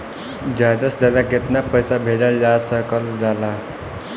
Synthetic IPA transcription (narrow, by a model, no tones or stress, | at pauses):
d͡ʒad̪əsd͡ʒad̪aket̪napəjsabʱeɖəld͡ʒasəkəld͡ʒala